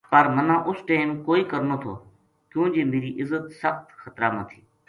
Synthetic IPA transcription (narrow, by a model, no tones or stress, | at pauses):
pəɾmənãːʔʊsʈeːmkoːiːkəɾnoːt̪ʰo̰ː | kjũːnd͡ʒeːmeːɾiːʔɪzːət̪səxt̪xət̪ɾaːnət̪ʰiː